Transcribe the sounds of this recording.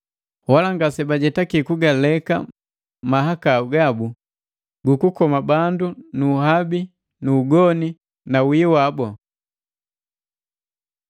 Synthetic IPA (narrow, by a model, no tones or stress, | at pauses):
walaŋɡasɛbaɟɛtakikuɡalɛka̰ | maɦakauɡabu | ɡukukɔmabandunuɦabi | nuːɡɔni | nawiwabɔ